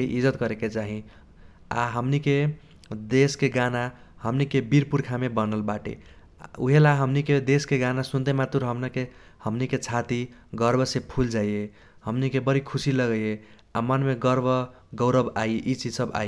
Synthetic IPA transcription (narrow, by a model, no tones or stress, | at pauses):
ʔid͡ʒət̪kʌɾeket͡ʃaɦĩ | a̰ɦəmnike | d̪eskeɡana | həmnikebiɾpuɾkʰamebənəlbaʈḛ | ṵɦelaɦəmniked̪eskeɡanasunt̪emat̪uɾɦəmnakehʌmniket͡ʃʰat̪iɡʌɾbʱʌsẽpʰuld͡ʒaie | hʌmnikebʌɾikʰusiləɡəje | amanmeɡʌɾbʱʌ | ɡʌʊɾəbaiʔit͡ʃid͡ʒsʌba̰i